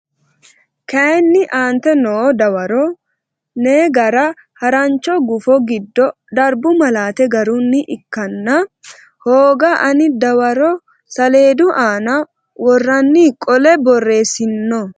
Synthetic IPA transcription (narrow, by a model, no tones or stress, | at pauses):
kɐnːɪʔaːnt̪ɛnoːd̪ɐwɐɾɔ | neːɡɐɾɐ | hɐɾɐnt͡ʃːɔɡʊfɔɡɪd̪ːɔ | d̪ɐɾbʊmɐlaːt̪ɛɡɐɾunːɪʔɪkːɐnːɐ | hoːɡɐʔɐnɪd̪ɐwɐɾɔ | sɐle̞ːd̪ʊʔaːnɐ | wɔrːɐnːiːkʼɔlɛbɔrːe̞ːsɪnːɔ